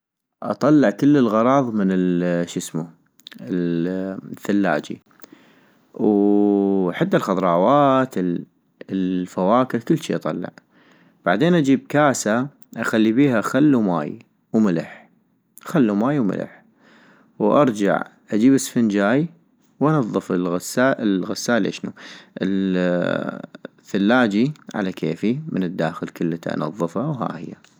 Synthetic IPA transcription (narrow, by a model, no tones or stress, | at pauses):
ʔɑ̰t̪ˤɑlːɪʕkɪlːəlɣɑɾˤɑːðˤmɪnɪlʃɪsmu | ɪ | θːalːa̰ːd͡ʒḭ | w | ħad̪ːalxɑðˤɾˤɑːwaːt̪ | fawaːkɪɾkɪlːʃiːʔɑt̪ˤɑ̰lːɑ̰ʕ | b̥aʕd̪eːnʔad͡ʒiːb̚kaːsa | ʔaxalːibiːɦaxalːuma̰ːj | wmɪlɪ̰ħ | xalːumaːjwmɪ̰lʔɪ̰ħ | wʔɑ̰ɾˤd͡ʒa̰ʕʔad͡ʒiːbɪsfɪnd͡ʒaːj | wʔɑnɑðˤːɨfɪlɣasːaːʔɪlɣasːaːʔlʔḛʃnuʔɪl | θalːaːd͡ʒiʕa̰lakʰeːfimɪnɨd̪ːaːxəlkəlːət̪ʔɑ̰nɑðˤːɨfawɦa̰ːhɪ̰jːa